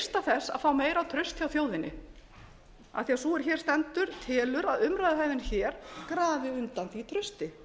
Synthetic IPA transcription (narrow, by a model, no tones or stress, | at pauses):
st̪aθɛsːa̰ðfaːwmeːjɾawt̪ʰɾʏst̪jawθjoːwðɪnɪ | a̰θiasuɛɾ̥çɛːɾst̪ɛnt̪ʏɾ̥t̪ʰɪːlʏɾaðʏmɾajðaɦɛjvðɪnçɛːɾkɾaːvɪʏnt̪anθit̪ʰɾʏst̪ɪ